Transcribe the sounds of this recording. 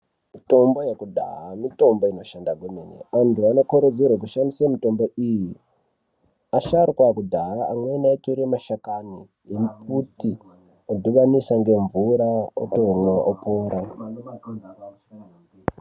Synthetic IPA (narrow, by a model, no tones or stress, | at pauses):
mito̞mbo̞jekudʱa̰ɦamito̞mboinoʃandaɡʱomenḛʋantʰuano̞koɾod͡zerwak̬uʃandisamito̞mbo̞iji | aʃarkwakudʱaɦaːmwenaetoɾemaʃakani | jem̩p̚uti | odʱuʋanisaŋɡe̞ɱvuɾao̰toŋwaʔopoːɾa